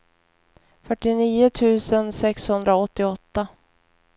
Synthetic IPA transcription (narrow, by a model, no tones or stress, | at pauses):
fœʈːɪniːʊt̪ʰʉ̟ːsənsɛkshɵnd̪ɾaɔt̪ːɪɔt̪ːa